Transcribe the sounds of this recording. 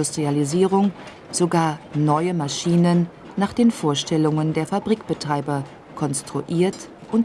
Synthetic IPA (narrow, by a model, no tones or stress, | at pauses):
ustʁ̥ializiːʁʊŋ | z̥oɡaːɐnɔʏəmaʃiːnənː | aːχd̥eːnfoːɐʃtɛlʊŋəndeːɐfabʁiːkb̥ətʁ̥aɪbɐ | kʰɔnstʁ̥uʔiːɐt | ʔʊnt